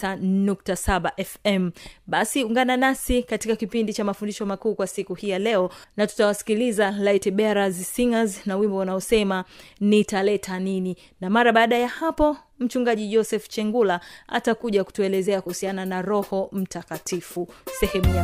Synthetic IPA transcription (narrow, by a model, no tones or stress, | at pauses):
anuk̚tasaɓaʔɛfɛm̩ɓasiuŋɡananasikatikakipindit͡ʃamafundiʃɔmakuːkwasikuhijalɛɔnatu̥tawasi̥kilizalaitɛɓɛɾazsiŋaznawimbɔwanaɔsɛmanitalɛtʰanini | namaɾaɓaːɗajahapɔ | m̩t͡ʃuŋɡaʄiʄɔsɛft͡ʃɛŋɡulaa̰takuʄaku̥tuɛlɛzɛakuhusiananaɾɔhɔm̩takatʰifusɛhɛmuja